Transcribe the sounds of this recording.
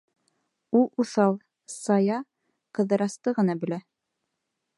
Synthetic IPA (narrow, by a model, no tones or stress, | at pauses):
ulˠuθɑlˠ | sɑjɑ | qɤ̆ðɤ̆ɾɑst̪ɤʁɤ̆nɑbɵ̆læ